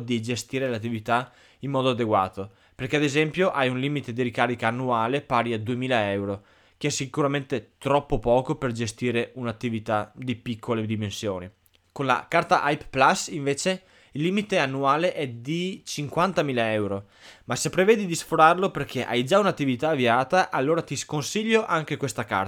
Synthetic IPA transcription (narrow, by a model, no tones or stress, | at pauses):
d̪id͡ʒest̪iːɾelat̪ːivit̪a | imːɔːd̪oad̪eɡwa̰ːt̪o | perkead̪ezɛmpjoʔajunliːmit̪ed̪iɾikaːɾikaːnːuaːlepaːɾiad̪uemiːlaɛwɾo | keɛsːikuɾament̪et̪ɾɔpːopɔːkoperd͡ʒest̪iːɾeunat̪ːivit̪ad̪ipikʰːoled̪imensjoːni | konla̰kart̪aʔajpplasiɱveːt͡ʃe | ilːiːmit̪eanːuaːleʔɛd̪it͡ʃiŋkwant̪amiːlaɛwɾo | masepːɾevɛːd̪id̪isfoɾarloperkʰeʔa̰jd͡ʒaunat̪ːivit̪aːviaːt̪aʔalːoːɾat̪iskonsiʎːoʔaŋk̟ekwest̪aka̰r